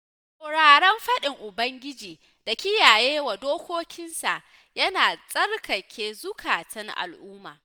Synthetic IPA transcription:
sʼa˨ɽaː˨ɽɛ˦mɸɐ˦ɗɪ˨ŋʔʊ˨bɐ˦ŋɡʲɪ˦d͡ʒiː˨ | d̥a˨kʲɪ˦jaː˨jeː˦wa˨doː˦kʷoː˦kʲɪ˦nsa̰˨ʔ | jɐ˦naː˨sʼɐ˦rkɐ˨kʲʰeː˦zʊ˦kʰaː˨tɐ˦ŋʔa̰˨lʔʊː˦ma̰ː˨

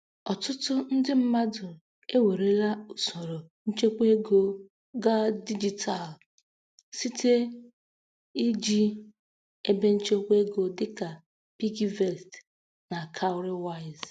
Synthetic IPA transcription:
ɔ˨tʊ˦tʊ˦n̩˦dɪ˦m̩˦ma˦dʊ˨ | e˦we˨ɾe˦la˦u˨so˨ɾo˨ | n̩˦t͡ʃe˦kʷe˦ɡo˦ | ɡa˦di˦d͡ʒi˨tʰa˨l | si˦tʰe˦ | i˦d͡ʒi˦ | e˦be˦n̩˦t͡ʃe˦kʷe˦ɡo˦dɪ˦ka˨ | pi˦ɡi˦ve˦˨st | na˨kʰa˦ʊ˦ɾɪ˦wa˦˨ɪ˨z

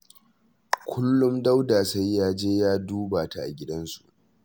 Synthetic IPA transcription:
kʷʰʊ˦lːʊ˦mda˦wdaː˨sa˦jːaː˦d͡ʒeː˦jaː˦duː˦baː˨ta˨ʔa̰˨ɡʲɪ˦dɐ˦nsu̥˨ʔ

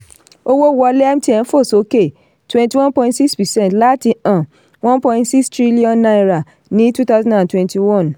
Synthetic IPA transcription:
o˦wo˦wɔ˧le˦a˦m˦ti˦ɛ̃˨n̩˦fo˦˨so˦ke˦˨ | twɛ̃˦nti˨wɔ̃˦npɔ̃˧ĩntsi˦kspi˨sɛ̃˦ntla˦ti˧ã˨ | wɔ̃˦npɔ̃˧ĩntsi˦kstɾi˦li˦ɔ̃˦nːa˧˦ɾa˨ | nĩ˨˦tu˦ta˦zɔ̃˦ndã˨ntwɛ̃˦nti˨wɔ̃˦˨n

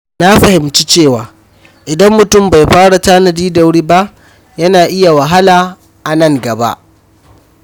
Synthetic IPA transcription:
na˦ɸɐ˨hɪ˨mt͡ʃi˦t͡ʃeː˦˨waː˨ | ʔɪ˨dɐ˦mːʊ˨tʊ˦mba˨jɸaː˦ɽa˨taː˦nɐ˨diː˦da˨wɽiː˦ba˦ʔ | jɐ˦naː˨ʔɪ˦ja˨wa˨ɦa˦laː˨ | ʔa˨nɐ˦ŋɡɐ˨ba̰˦ʔ

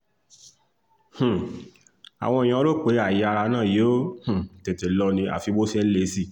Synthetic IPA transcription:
h̩˨ | a̰˨w̃ɔ̃˧e˨j̃ã˧˦lo˦˨k͡pe˨˦a˦˨ji˨˧˦a˧ɾa˧nãː˦˨je˨˦o˦h̩˨te˨te˨lɔ˧nĩ˧a̰˨fi˨˧˦bo˦si˦ɛ˦le˨˦si˦˨

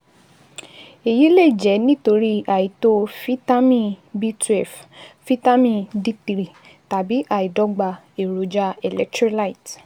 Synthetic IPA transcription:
e˨ji˨˦le˦˨i˨d͡ʒɛ˨˦nĩ˦to˧ɾi˦a˨ji˨to˦fi˦ta˦mĩ˦bi˦tɛ˨ffi˦ta˦mĩ˦˧di˦ti˨ɾi˨ | ta˨bi˨˦ʔa˨i˨dɔ˧˦ɡ͡ba˧ | e˨ɾo˨˦d͡ʒa˦ɛ˨lɛ˦ktɾi˦la˦i˨t

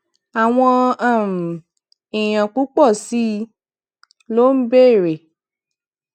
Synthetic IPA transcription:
a˨w̃ɔ̃˧ã˦˨m̩˨ | i˨j̃ã˨k͡pu˨˦k͡pɔ˦˨si˨˦ | lo˦m̩˦be˦˨ɾe˨

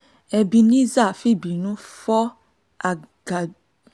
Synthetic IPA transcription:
ɛ˨bi˨nĩ˦za˦˨fi˦bi˨nũ˦fɔ˦ | a˨ | ɡ̥a˨

